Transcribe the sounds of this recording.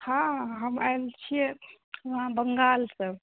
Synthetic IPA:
hãɦəmajlt͡ʃʰijɛ | ʋɦãbəŋɡalsəb

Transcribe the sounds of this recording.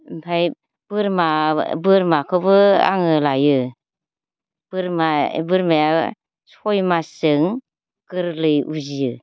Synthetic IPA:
mpʰaj | b̥ɯɾmabɯɾmakʰɯbɯa̰ŋɯlajɯ | b̥ɯɾmabɯɾmaja | sɔjmasɯŋ | kɯɾlɯjuzijɯ

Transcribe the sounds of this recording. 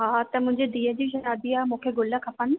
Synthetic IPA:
ɦaːt̪ɐmʊ̃ɦɪ̃ɲd͡ʑed̪iːəd͡ʑiːʃɐɾaːd̪iaːmũːkʰeɡʊləkʰɐpən

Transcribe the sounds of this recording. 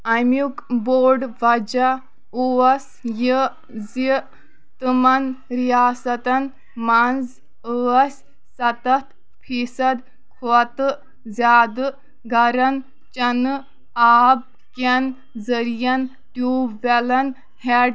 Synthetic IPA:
ɐmjukboːɖʋɐd͡ʒɐ | uɐsʲ | ji | zi | t̪ɨmɐnɾijaːsɐt̪ɐn | manz | əɐsʲ | sɐt̪ɐt̪ | pʰiːsɐd̪ | kʰoɐt̪ɨ | zʲaːd̪ɨ | ɡʱɐɾɐn | t͡ʃɐnɨ | aːb̚ | kɐn | zəɾijɐn | ʈjuːʋelɐn | heɖ

